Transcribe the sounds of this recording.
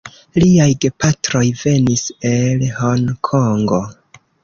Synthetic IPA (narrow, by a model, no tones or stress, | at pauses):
liajɡe̞pʰatɾo̞jve̞nise̞lhoŋkʰoŋɡo̞